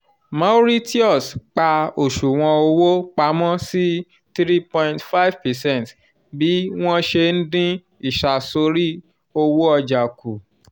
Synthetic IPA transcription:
mã˨˦ɾi˦ti˦ɔ˦˨sk͡pa˧o˨ʃu˨w̃ɔ̃˧o˧wo˦k͡pa˧˦mɔ̃˦si˦ | tɾi˦pɔ̃˧j̃ntfa˦˨˦vpɛ˨sɛ̃˦˨t | bi˨˦w̃ɔ̃˦ʃe˧n̩˦dĩ˦ | i˦˨ʃa˨so˨˧˦ɾi˦ | o˧wo˦ɔ˧d͡ʒa˨ku˨

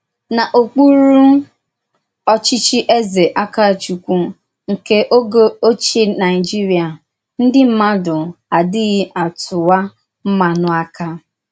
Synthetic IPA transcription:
na˨ʔo˨k͡pu˦ɾu˦ | ɔ˦t͡ʃi˦t͡ʃi˦ʔe˦ze˨ʔa˦ka˦˨t͡ʃu˨kʷu˦ | ŋ̩˨ke˦ʔo˦ɡo˦o˦t͡ʃe˦na˨ɪ˨d͡ʒi˦ɾi˨a˨ | n̩˦dɪ˦m̩˦ma˦dʊ˨a˨dɪ˦ɣɪ˦ʔa˨tʊ˨wa˦ | m̩˦ma˨nʊ˦a˦ka˦

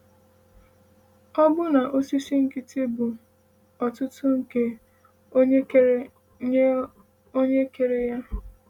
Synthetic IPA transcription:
ɔ˦bʊ˦na˨ʔo˦si˦si˦ŋ̩˨kɪ˦te˦bʊ˨ | ɔ˨tʊ˦tʊ˦ŋ̩˨ke˦ | o˦ɲe˦ke˨ɾe˦ja˦

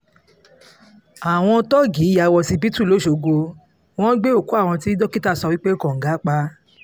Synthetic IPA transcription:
a˨w̃ɔ̃˧˦tɔ˦˨ɡi˨˦ja˧wɔ˧si˧bi˦tu˦˨lo˨˦˨ʃo˨ɡo˧ | w̃ɔ̃˦ɡ͡be˦o˦˨ku˦a˦˨w̃ɔ̃˧ti˦dɔ˦ki˦ta˦˨sɔ˧wi˦k͡pe˦˨kɔ̃˨ŋ̩˨ɡa˨˦k͡pa˦

